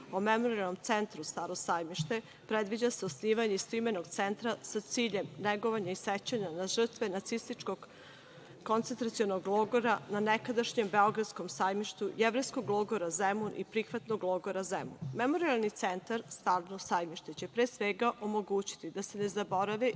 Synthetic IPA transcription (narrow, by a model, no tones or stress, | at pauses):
omemo̞ɾialˠnomt̪se̞nt̪ɾust̪aːɾo̞sajmiʃt̪e̞ | pɾe̞d̪ʋid͡ʑaseosniːʋaɲeist̪uime̞noɡt̪se̞nt̪ɾasat̪siːʎe̞mneɡo̞ʋaɲaiset͡ɕaɲanaʒr̩t̪ʋe̞nat̪sist̪it͡ʃko̞ɡ | ko̞nt̪sent̪ɾat̪sionoɡlˠoɡo̞ɾananekad̪aʃɲe̞mbe̞o̞ɡɾad̪sko̞msajmiʃt̪ujeʋɾejsko̞ɡlˠoɡo̞ɾazemunʔipɾixʋat̪no̞ɡlˠoɡo̞ɾazḛmṵnme̞mo̞ɾialˠnit̪sent̪aɾst̪alnosajmiʃt̪et͡ɕe̞pɾeːsʋeɡaʔomo̞ɡuːt͡ɕi̥t̪id̪ase̞ne̞zabo̞ɾaʋi